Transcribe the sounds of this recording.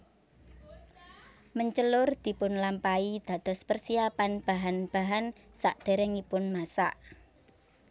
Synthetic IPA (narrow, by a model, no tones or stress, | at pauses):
məɲt͡ʃəlʊrd̪̥i̤pʊnlampaid̪̥ä̤d̪̥ɔ̤spərsiapanb̥a̤ɦanb̥a̤ɦan | sa̰ʔd̪̥e̤ɾɛŋipʊnmasaʔ